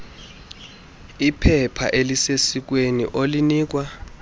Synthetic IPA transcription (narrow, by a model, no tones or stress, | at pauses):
ipʰɛpʰa̰ʔelisesik̬wenḭʔoliniːk̬wa